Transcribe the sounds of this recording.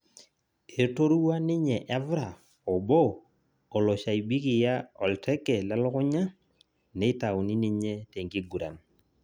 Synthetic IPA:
e˨to˦ɾu˦wa˦nɪ˦ɲɛ˨ʔɛ˦vɾa˨ | ɔ˨bɔː˦˨ | lɔ˨ʃa˨i˨bi˦ki˨ja˦ɔ˨ltʰɛ˦kɛ˨lɛ˦lʊ˦kʊ˦ɲa˦ | nɛ˨˦i˦ta˨wni˦nɪ˦ɲɛ˦tɛ˨ŋɡi˦ɡu˨ɾa̰˨n

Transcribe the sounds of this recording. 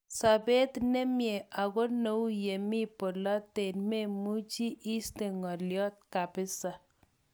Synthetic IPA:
sa˨be˦tne˦mje˨a˨ɣo˦no˨˦wu˦je˨mi˦po˨la˦te˨nme˦mu˦t͡ʃi˦ʔi˦ste˨ŋɔ˨ljɔ˦t̚ka˨pɪ˦sa˨

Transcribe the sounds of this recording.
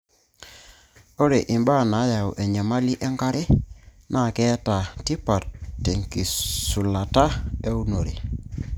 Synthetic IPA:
o˦ɾe˨ʔi˨mba˦˨na˨˦ja˨u˨ʔɛ˨ɲa˨ma˦li˦ʔɛ˦ŋɡa˦ɾʔe˦ | na˦˨kɛ˦ta˨ti˦pa˨tːe˨ŋki˨su˨la˨ta˦e˦u˦no˨ɾe˨

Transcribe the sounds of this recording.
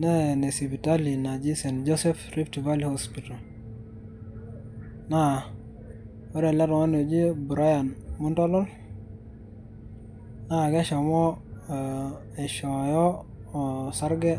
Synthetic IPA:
nɛ˦ne˨si˨bi˨ta˦li˨na˨d͡ʒi˦sɛ˨nd͡ʒo˦sɛ˦fri˦pti˨va˦li˨hospita˨l | na˦ | ɔ˦ɾɛ˨lɛ˦ɾŋɔ˦ne˨d͡ʒi˦bu˨ɾa˦ja˨nmu˦ntɔ˦lɔ˦l | na˦˨ɡɛ˦ʃɔ˨mɔ˦ | ɛ˨ʃɔ˨jɔ˦ | ɔ˨sa˦ɾɡɛ˦

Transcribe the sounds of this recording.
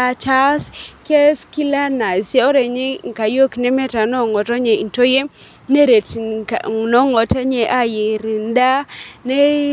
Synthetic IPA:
a˨t͡ʃa˦ske˦ski˦la˦na˨se˦o˦ɾe˨ɲe˦ŋ˨ka˨jo˦knɛ˦mɛ˦ta˨nɔ˦˨ŋɔ˨tɔ˦ɲe˨i˨nto˦je˦ | ne˦ɾe˨t | nɔ˦ŋɔ˨tɛ˦ɲɛ˨ʔa˦je˨ɾi˨nda˦ne˦

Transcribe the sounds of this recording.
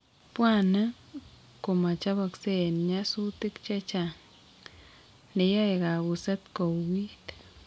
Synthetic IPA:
pwa˦na˦ | ko˨ma˨t͡ʃa˦βa˧kse˦nɲa˦su˦t̪ɪ˦kt͡ʃa˦t͡ʃa˨ŋ | ne˨ja˦e˨ɣa˨ɣu˨sa˦t̪ko˨wi˦t̪

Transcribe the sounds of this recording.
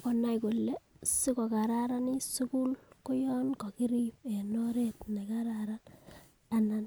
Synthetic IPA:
kɔ˨na˦jko˨lːe˦si˦kɔ˨ka˨ɾaɾa˦ni˦su˦ku˦lko˦jɔnkɔ˨ki˦ɾipe˨no˦ɾetna˨kaɾaɾan | anan

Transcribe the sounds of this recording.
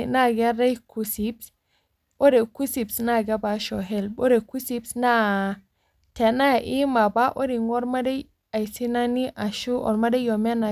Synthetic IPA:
na˦˨ɡa˦ɾe˦jku˨si˨˦bs | o˦ɾe˨ku˦si˨psna˦˨ɡa˦ba˨ʃo˨ɦe˦˨lbo˦ɾe˨ku˦si˦bsna˦ | te˨na˦ja˨ʔi˦ma˨ba˦ʔo˦ɾi˨ŋo˦ɾma˦de˦ | a˨jsi˦na˦ni˦ʔa˨ʃu˦ʔɔ̰˨ɾma˦de˦jo˨me˦na˨

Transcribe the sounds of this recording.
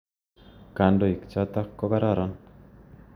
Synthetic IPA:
kandoi˨kt͡ʃat̪a˦kːo˦βa˦ɾa˨ɾɔ˦n

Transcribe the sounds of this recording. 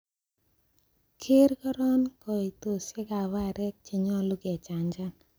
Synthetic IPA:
kʰe˦ɾkɔ˦ɾɔ˦nkɔ˨i˨t̪o˨se˦ka˨wa˦ɾɛ˦k̚t͡ʃe˨ɲɔ˦lu˦kɛ˨t͡ʃa˨ɲd͡ʒa˦n

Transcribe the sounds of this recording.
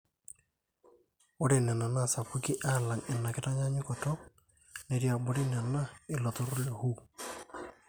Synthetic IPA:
o˦ɾe˨nɛ˨na˨na˦˨sa˨pu˦ki˦ʔa˦˨la˨ŋɪ˨nːa˨kɪ˦ta˦ɲa˦ɲɪ˦kɔ˨tɔ˦ | ne˨ɾja˨bo˨ɾi˦na˨na˦ɪ˨lɔ˨t̪ɔ˦ɾo˦le˨hu˦

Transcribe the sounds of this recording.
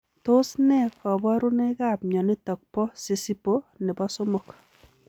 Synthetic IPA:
tʊ˦snɛ˦kɔ˨bɔ˦ɾu˦ne˦ka˦˨p̚ɲɔ˨nɪ˦tɔ˨k̚pɔ˦si˨si˦po˦nɪ˨bɔ˦so˦mo˨k

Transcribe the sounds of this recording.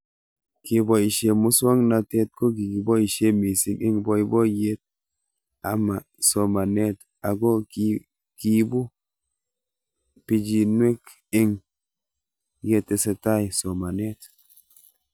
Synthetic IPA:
ki˨bɔ˦i˨ʃe˨mu˦sa˦ŋna˧te˦t̚ko˦ɡi˨ki˨bɔ˦i˨ʃe˦mi˨si˨ne˦ŋbɔ˦i˦bɔ˦je˦t̚ | a̰˨ma˨ | sɔ˨ma˨ne˦t | a˨ɡo˦ki˦ | ki˦bu˦ | pi˦d͡ʒi˨nwe˦k | e˦ŋ | je˦tːe˧se˧ta˦jsɔ˨ma˨ne˦t

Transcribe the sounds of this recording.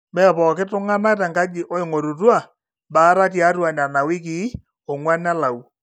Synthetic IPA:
mɛ˦˨pɔː˨kɪ˦tʊ˦ŋa˦na˦t̬ɛ˨ŋka˦d͡ʒɪ˨ʔɔ˦ɪ˨ŋo˨ɾu˨twa˦˨ | ba˨˦ɾa˦t̬ja˨˦twa˨na˨na˨wɪ˦k̬ɪ˨˦ | ɔ˨ŋwa˦na˦la˨u˨

